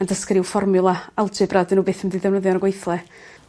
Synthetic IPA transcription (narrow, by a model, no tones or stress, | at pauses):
andəskɾɪwfɔrmɨlˠaalˠdɨbradənːuːbeːθəmɛdiðɛvnəðjɔnəɡwejθlˠɛ